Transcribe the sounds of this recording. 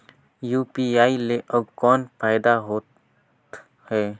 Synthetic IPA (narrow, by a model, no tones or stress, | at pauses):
juːpiaːileʔəbkɔːnpʰaɪd̪aɦot | hɛː